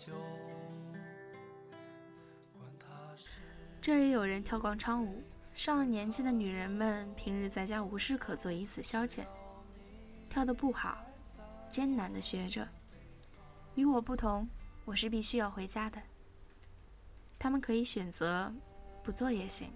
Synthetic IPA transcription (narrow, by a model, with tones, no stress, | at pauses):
ʈ͡ʂɤ˥˩jɛ˧˥jo˨˩ʊɻə˧˥nt̪ʰjɑ˥˩ʊkwɑ˥ŋʈ͡ʂʰɑ˥ŋu˨˩˦ | ʂɑ˥˩ŋlə˩njɛ˧˥nt͡ɕi˥d̪ə˨ny˨˩ɻə˧˥nmə˨npʰi˧˥ŋɻɻ̩˧˥t͡sa˥ɪt͡ɕja˥u˧˥ʂɻ̩˥˩kʰɤ˨˩t͡swɔ˥˩i˧˥t͡sʰɹ̩˨˩ɕjɑ˥ʊt͡ɕʰjɛ̰˨˩˦n | t̪ʰjɑ˥˩ʊd̪ə˧˦pu˥˩xɑ˨˩˦ʊ | t͡ɕjɛ˥nna˧˥nd̪ə˧ɕɥɛ˧˥ʈ͡ʂɤ˨˩˦ | y˧˥wɔ˨˩pu˥˩t̪ʰʊ˧˥ŋwɔ˨˩ʂɻ̩˥˧pi˥˩ɕy˥jɑ˥˩ʊxwe˧˥ɪt͡ɕja˥d̪ə˨ | t̪ʰa˥mə˨nkʰɤ˧˥i˧˥ɕɥɛ˨˩nt͡sɤ˧˥pu˧˥t͡swɔ˥˩jɛ˥˩ɕḭ˧˥ŋ